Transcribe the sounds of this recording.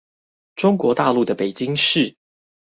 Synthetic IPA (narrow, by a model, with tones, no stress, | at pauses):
ʈ͡ʂʊ˥ŋkwɔ˧˥˦t̪a̰˥˧lu˥˩d̪ə˩pe˨˩ɪt͡ɕi˥˦ŋʂɻ̩˥˩˨